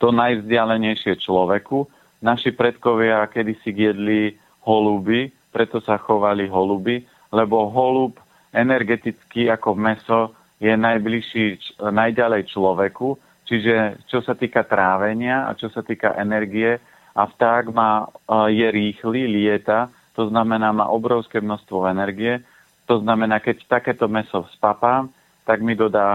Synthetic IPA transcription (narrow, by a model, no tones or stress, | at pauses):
t̪ɔnajvzɟɪalɛɲɛjʃɪɛt͡ʃlɔʋɛku | naʃipɾɛt̪kɔʋɪakɛd̪isiɡjɛd̪li | hɔlubi | pɾɛt̪ɔsaxɔʋaliɦɔlubi | lɛbɔɦɔlup | ɛnɛɾɡɛt̪it͡skiːakɔmɛsɔ | jɛnajbliʃiːnajɟalɛjt͡ʃlɔʋɛku | t͡ʃiʒɛt͡ʃɔsat̪iːkat̪ɾaːʋɛɲɪaa̰t͡ʃɔsat̪iːka̰ʔɛnɛɾɡiɛ | aft̪aːɡmaːjɛɾiːxlilɪɛt̪a | t̪ɔznamɛnaːma̰ːʔɔbɾɔʊskɛːmnɔʃst̪ʋɔɛnɛɾɡijɛ | t̪ɔznamɛnaːkɛct̪akɛːt̪ɔmɛsɔspapaːm | t̪aɡmid̪ɔd̪aː